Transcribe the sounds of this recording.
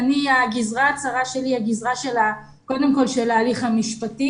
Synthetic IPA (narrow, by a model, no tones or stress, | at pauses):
aniaɡizʁat͡saʁaʃe̞liaɡizʁaʃe̞la | ko̞demko̞lʃelaːliχhamiʃpati